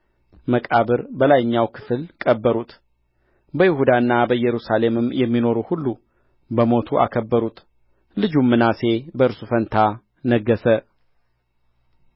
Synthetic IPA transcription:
məkʼaβɨɾbəlajɲːawkʰɨ̥fɨlkʼəbːəɾut̪ | bəjɪhud̪aɨnːabəjɛɾusale̞mɨmjɛmːino̞ɾuhulːu | bəmo̞t̪ʰuʔa̰kʰəbːəɾut̪ | lɨd͡ʒumːɨnase̞bəɨɾsufənt̪ʰa | nəɡːəsə

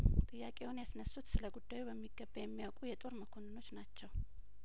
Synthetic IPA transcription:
t̪ʼɨjːakʼe̞wʊnjasnəsːut̪sɨləɡud̪ːajubəmːiɡəbːəjɛmːijawkʼujɛt̪ʼo̞ɾməkʰo̞nɨno̞t͡ʃːnat͡ʃːɛw

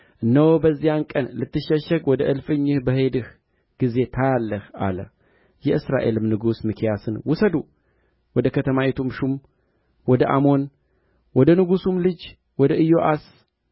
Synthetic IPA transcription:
ʔɨnːəwobəzːijankʼənlɨt̪ʰːɨʃːəʃəɡwɔd̪əʔɨlfɨɲːɨhbəɦe̞d̪ɨh | ɡ̥ize̞t̪ʰajalːəhʔa̰lə̰ | jɛʔɨsɾa̰ʔe̞̰lɨmnɨɡusmɨkʰijasɨnwʊsəd̪u | wɔd̪əkʰət̪ʰəmawet̪ʰumʃum | wɔd̪əʔa̰mo̞n | wɔd̪ənɨɡusumlɨd͡ʒ | wɔd̪əʔɨjoʔas

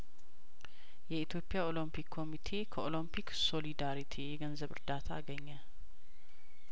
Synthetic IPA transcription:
jɛit̪ʰjo̞pːijao̞lompʰikʰːo̞mit̪ʰe̞kʰəo̞lompʰikso̞lid̪aɾit̪ʰijɛɡənzəβɨ̰ɾd̪at̪ʰaːɡəɲːə

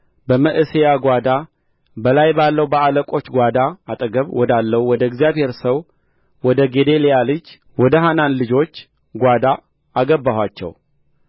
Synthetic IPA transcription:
bəməʔɨsejaɡʷad̪a | bəlajbalːəwbəaləkʼo̞t͡ʃːɡʷad̪aat̪ʼəɡəβwɔd̪alːəwwɔd̪əɪɡzijaβhe̞ɾsəw | wɔd̪əɡe̞d̪e̞lejalɨd͡ʒ | wɔd̪əɦananlɨd͡ʒo̞t͡ʃː | ɡʷad̪aː | aɡəbːahwat͡ʃːɛ̰w

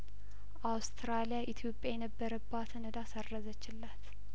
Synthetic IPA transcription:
ʔawst̪ʰɾalijaʔit̪ʰjo̞pʼjajɛnəbːəɾəbːat̪ʰənəd̪asərːəzət͡ʃːɪlːat̪

